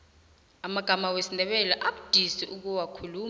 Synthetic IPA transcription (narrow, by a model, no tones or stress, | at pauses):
amaɡ̥ʱamawesindʱɛɓɛlɛʔaɓud̥ʱisiʔuk̬uwakʰuluː